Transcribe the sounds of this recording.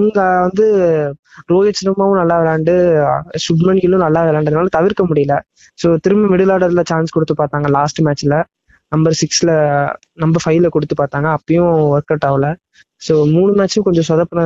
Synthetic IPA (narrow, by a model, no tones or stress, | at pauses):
ɪŋɡɐʋɐnd̪ɯ | ɾoːjɐt͡ʃːɪɾɐmaːʋʊ̃nɐlːaːʋɛɾaːɳɖɯsʊɖmɐɳɡɪlʊ̃nɐlːaːʋɛɾaːɳɖɐðnaːlɐt̪ɐʋɪɾkːɐmʊɽɪjɐlɐ | soːt̪ɪɾɯmɐʋɪɽɯlaːɽɐɾlɐt͡ʃaːnskɔɽɯt̪ːɯpaːɾt̪aːŋɡɐlaːsʈɯmaːt͡ʃːɪlɐ | nɐmbɐɾsɪkslɐ | nɐmbɐfɐɪlɐkɔɽɯt̪ːɯpaːɾt̪aːŋɡɐːpːɐjʊ̃ɔɾkɐʈːaːʋlɐ | soːmuːɳɯmaːt͡ʃːʊ̃kɔɲd͡ʒɔ̃sɐðɐpːɐnɐ